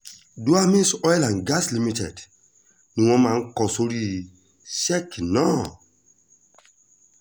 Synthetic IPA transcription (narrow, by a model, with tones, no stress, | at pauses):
du˦a˦mĩ˦nsɔ˦jlã˨nɡa˦sli˦mi˦tɛ˨d | nũ˨wɔ̃˦mã˨ŋ˦kɔ˨so˦ɾi˦ | sɛ˦knɔ˦